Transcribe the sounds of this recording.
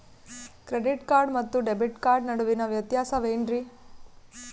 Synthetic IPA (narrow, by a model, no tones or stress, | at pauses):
kɾeɖiʈkaːɾɖmɐt̪ːuɖebiʈkaːɾɖnɐɽuʋinɐʋjɐt̪jaːsɐʋeːɳɖɾi